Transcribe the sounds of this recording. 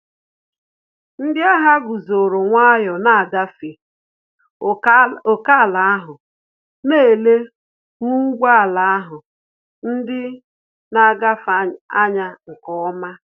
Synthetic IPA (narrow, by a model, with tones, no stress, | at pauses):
n̩˦dɪ˦a˦ɦa˦ɡʊ˨zo˨ɾo˨ŋʷa˦jɔ˨na˦a˨ɡa˦fe˨ | o˨ka˦˨la˨a˦ɦʊ˨ | ne˦e˨le˦ | ŋu˦ɡʷa˦a˨la˨a˦ɦʊ˨ | n̩˦dɪ˦ | na˨ɡa˦fa˦a˦ɲa˦ŋ̩˨kɔ˦˨˦ma˦